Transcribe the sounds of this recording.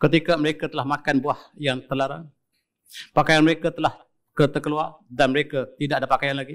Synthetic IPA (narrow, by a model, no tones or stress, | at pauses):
kət̪ikaməɾekat̪əlahmakanbuahjaŋt̪ərlaɾa̰ŋ | pakajanməɾekat̪əlah | kərt̪əkəluardanməɾekat̪idaʔadapakajanlaɡi